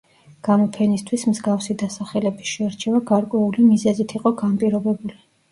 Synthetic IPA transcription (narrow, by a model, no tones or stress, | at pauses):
ɡ̥amɔpʰɛnist̪ʰwismzɡafsid̪asaχɛlɛbisʃɛaɾt͡ʃʰɛvaɡaɾkʼwɛulimizɛzit̪ʰiqʼɔɡampʼiɾɔbɛbuli